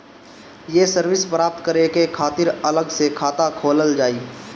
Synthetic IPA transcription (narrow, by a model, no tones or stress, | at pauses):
jesəɾwɪspɾaːp̚t̪kəɾekekʰaːt̪ɪɾələɡsekʰaːt̪akʰoːləld͡ʒaːiː